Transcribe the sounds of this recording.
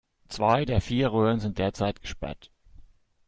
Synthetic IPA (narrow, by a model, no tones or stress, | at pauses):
t͡sv̥aɪdeːɐfiːɐʁøːʁənzɪntd̥eːɐt͡saɪt̚ɡ̥ə̥ʃpɛ̰ɐt